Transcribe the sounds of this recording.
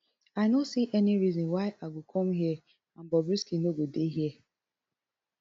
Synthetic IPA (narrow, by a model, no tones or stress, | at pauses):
aɪnosiʔɛniɾizɔ̃waɪʔaɡokʰɔmɦiɛ | ãn̩bɔbɾiskinoɡodeɦiɛ